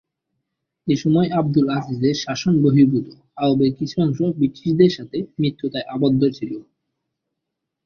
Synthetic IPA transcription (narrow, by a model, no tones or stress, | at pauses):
eʃɔmɔeab̚d̪ulafizd̪eɾʃaʃonboɦibut̪o | aobekit͡ɕʰuɔŋʃobiʈːiʃd̪eɾʃat̪ʰemɾit̪ːot̪aeʔabɔd̪ːoɾt͡ɕʰilo